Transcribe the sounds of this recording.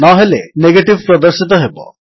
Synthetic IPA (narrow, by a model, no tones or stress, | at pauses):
nɔɦeleneɡeʈiʋpɾɔd̪əɾʃit̪ɔɦebɔ̰